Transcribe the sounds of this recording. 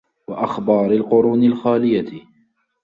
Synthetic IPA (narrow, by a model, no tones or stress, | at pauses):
waʔaxbɑːɾɪlqʊɾuːnɪlxaːlɪja